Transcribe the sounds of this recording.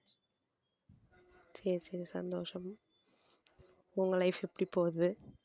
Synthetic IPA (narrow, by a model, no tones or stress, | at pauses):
sɛɾsɛɾsɐ̰nd̪oːʂɐm | ʊŋɡɐlɐɪfɛpːɐɽipːoːðɯ